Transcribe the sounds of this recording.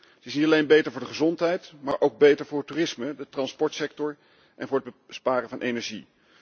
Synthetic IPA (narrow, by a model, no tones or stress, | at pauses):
tɪsnitɑlejnbejtəɹvʊːɹdəχəzɔntɦɛjtmaːɹʔowɡ̚bejtəɹvʊːɹətuːrɪsmədətrɑnspɔɹtsɛktɔɹ | ʔɛ̰nvʊːɹəd̚bəspaːɾənvɑnʔejnɛɹʒi